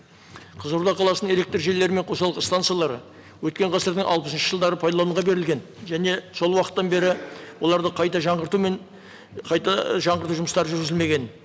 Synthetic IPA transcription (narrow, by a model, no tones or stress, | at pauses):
qʰəzəɾud̪ɑqʰɑlˠɑsnəŋe̞lʲekt̪rʒe̞lːe̞ɾɪme̞ɴqʰosɑlˠʁəst̪ant̪sijalˠɑɾə̰ | wɵt̪̚kʲe̞ɴqʰɑsəɾd̪əŋʔɑ̰lˠpəsənʃəʒəlˠd̪ɑɾəpʰajd̪ɑlˠoəɴʁɑbe̞ɾɪlʲɡʲe̞n | ʒæne̞so̞lˠwɑqə̥t̪ːɑnbe̞ɾɪwo̞lˠɑɾd̪əqʰɑjt̪ɑʒɑɴʁəɾt̪umen | qʰɑjt̪ɑʒɑɴʁəɾt̪uʒʊməst̪ɑɾəʒʏɾɡɪzɪlme̞ɡʲe̞n